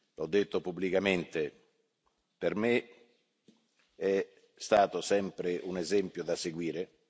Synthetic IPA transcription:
lɔd̪ːet̪ːopubːlikament̪e | perme | ɛ | st̪aːt̪osɛmpɾeʔunezɛmpjod̪aseɡwiːɾe

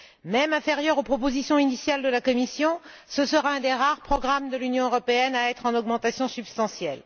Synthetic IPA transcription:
mɛmɛ̃fɛʁjœʁopχɔpozisjɔ̃inisjald̪əlakɔmisjɔ̃ | səsəʁaɛ̃d̪eʁaʁpχɔɡʁamd̪əlynjɔ̃øʁɔpeɛnaɛt̪χɑ̃nɔɡmɑ̃t̪asjɔ̃sybst̪ɑ̃sjɛl

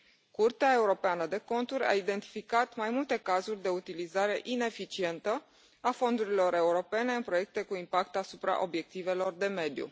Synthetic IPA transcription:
kurt̪eae̞uɾo̞peanəd̪e̞ko̞nt̪uɾʲa̰id̪e̞nt̪i̥fikat̪majmult̪e̞kazurʲd̪e̞ut̪ilizaɾe̞ʔine̞fit͡ʃie̞nt̪ə | afo̞nd̪uɾilo̞ɾe̞uɾo̞pe̞ne̞ɨnpɾo̞je̞k̚t̪ekuimpakt̪asupɾa̰ʔo̞̰bje̞k̚t̪ive̞lo̞rd̪e̞me̞d̪jṵ

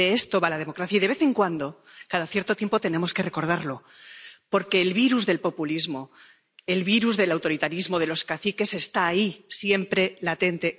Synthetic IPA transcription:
eest̪o̞βalaðe̞mo̞kɾaθjaiðeβe̞θe̞ŋkwand̪o̞kaðaθje̞ɾt̪o̞t̪jempot̪e̞ne̞mo̞ske̞re̞ko̞ɾð̞aɾlo̞ | po̞ɾke̞ːlβiɾuzðe̞lpo̞pulizmo̞ | e̞lβiɾuzðe̞lawt̪o̞ɾit̪aɾizmo̞ðe̞lo̞skaθike̞se̞st̪aːisje̞mpɾelat̪e̞nt̪e̞

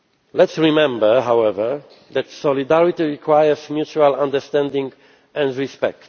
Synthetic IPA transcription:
lɛtsɹimɛ̃mbə˞ɦawɛvə˞ | ðætsɔlid̪æɹit̪iɹikʰwajəsmjut͡ʃualãnd̪ə˞st̪ɛ̃ndĩŋɡ | ʔɛ̃ndɹispɛk̚t

